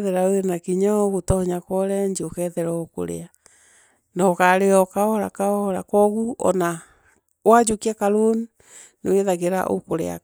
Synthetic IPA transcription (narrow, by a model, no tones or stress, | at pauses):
ðɛɾawenakiɲaɣotɔɔɲakwɔɾɛɲd͡ʒokɛðɛɾɔoko̰ɾḛa | nɔkaɾeɔkaɔɾa̰kaɔɾakɔɣuʔɔ̰na | wad͡ʒukiakaɾon | neweðaɣeɾa̰ʔo̰koɾḛa̰